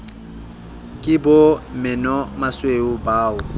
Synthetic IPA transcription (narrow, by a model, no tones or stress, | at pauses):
kʼɪbʊmɪnɔmasweʊbaːʊ